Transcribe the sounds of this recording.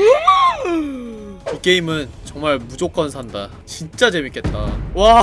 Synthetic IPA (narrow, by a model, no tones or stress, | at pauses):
iɡe̞imɯnt͡ɕʌŋmaɭmud͡ʑok͈ʌnsʰanda | t͡ɕint͡ɕ͈at͡ɕe̞mik͈e̞t̚t͈awa